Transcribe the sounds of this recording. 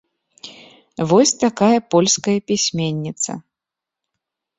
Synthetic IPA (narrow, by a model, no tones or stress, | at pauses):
vɔsʲt̪akajɐpɔlʲskɐjɐpʲisʲmʲenʲːit̪sɐ̰